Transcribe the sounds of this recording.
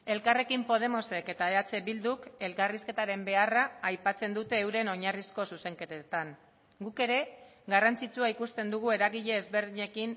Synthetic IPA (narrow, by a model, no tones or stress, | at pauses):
e̞lkare̞kimpo̞ð̞e̞mo̞se̞ke̞t̪aeat͡se̞bild̪uke̞lkariske̞t̪aɾe̞mbe̞araːjpat͡se̞nd̪ut̪e̞ːwɾe̞no̞ɲarisko̞suse̞ŋke̞t̪et̪aŋ | ɡuke̞ɾe̞ɣarant͡sit͡suaikust̪e̞nd̪uɣ̞ue̞ɾaɣiʎe̞ːzβe̞ɾðiɲe̞kin